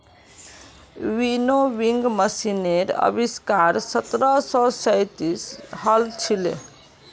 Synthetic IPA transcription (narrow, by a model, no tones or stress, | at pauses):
ʋinoʋiŋɡməsineɾə̰biskaɾsət̪ɾəsɔsəjt̪ishəlt͡ʃʰilḛ